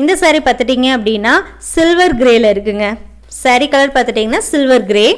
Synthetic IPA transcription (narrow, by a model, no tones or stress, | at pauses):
ɪnd̪ɐsaːɾipaːɾt̪ɯʈːiːŋɡɐɐpːɐɽɪnːaː | sɪlʋɐɾɡɪɾeːlɐɪɾɯkːɯŋɡɐ | sɐɾikɐlɐɾpaːɾt̪ɯʈːiːŋɡɐnːaːsɪlʋɐɾɡɪɾeː